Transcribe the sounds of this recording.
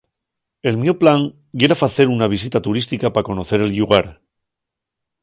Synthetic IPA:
e̞lmjoplaŋ | jeɾafaθe̞ɾunaβ̞is̬it̪at̪uɾist̪ikapako̞no̞θe̞ɾe̞lʎuɣaɾ

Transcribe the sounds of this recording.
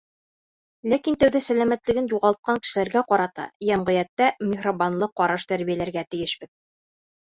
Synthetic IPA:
lækint̪æwðæsælæmæt̪lɘ̆ɡɘnjuʁɑlˠt̪̚qɑŋkɘ̥̆ʃɘ̆læɾɡæqɒɾɑt̪ɑ̰jæmʁɘ̆jæt̪ːæmʲɪχrobanlˠɤqːɑɾɑʃt̪æɾβijælæɾɡæt̪ɘ̆jɘʃbɘð

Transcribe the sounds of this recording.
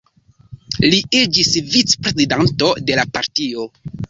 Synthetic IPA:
liid͡ʒisvit͡spɾe̞zidanto̞de̞lapaɾtio̞

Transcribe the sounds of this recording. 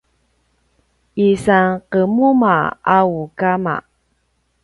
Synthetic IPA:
isaŋqəmumaaukama̰

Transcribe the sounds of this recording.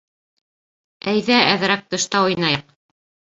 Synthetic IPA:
æjðææð̆ɾæk̚t̪ɤ̆ʃt̪ɑŏjnɑjɑq

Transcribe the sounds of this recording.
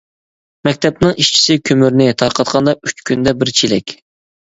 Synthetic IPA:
mɛk̚ʲt̪ʰɛp̚nɨŋiʃt͡ʃʰi̥sɪkʲʰømyɾnɪt̪ʰɑɾqʰɑt̪qʰɑnd̪ɑyt͡ʃkʲʰynd̪ɛbɪɾt͡ʃʰelɛkʲ

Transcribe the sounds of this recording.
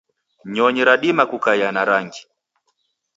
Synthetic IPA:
ɲɔɲiɾaɗimakukajanaɾaŋɡi

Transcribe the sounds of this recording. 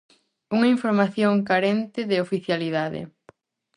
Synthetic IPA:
uŋɐiɱfoɾmaθjoŋkaɾent̪ɪðɪofiθjaliðaðɪ̰

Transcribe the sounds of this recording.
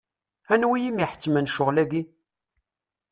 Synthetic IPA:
ænwijimiħə̥t͡sːmænʃʊʁlæɡi

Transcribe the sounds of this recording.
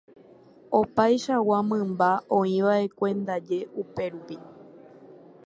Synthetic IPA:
o̞pajʃawamɨ̃mbaõĩʋaʔe̞kʷẽ̞nd̪ad͡ʒe̞ʔupe̞ɾupi

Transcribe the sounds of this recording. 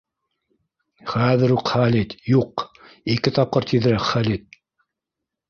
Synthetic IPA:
χæðɘ̆ɾuqχælit̪juq | ikɘt̪ɑp̚qɤɾt̪ʰiðɘ̆ɾækχælit̪̚

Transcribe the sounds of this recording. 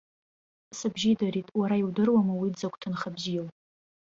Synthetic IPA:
sɨbʒidaɾitʼwaɾaiwdɨrwamawidzakʷʼtʰɨnχabzil

